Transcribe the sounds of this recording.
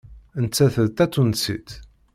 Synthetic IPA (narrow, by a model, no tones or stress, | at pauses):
ənt͡sːæθəðt̪æt͡s̪ːunsḭt̪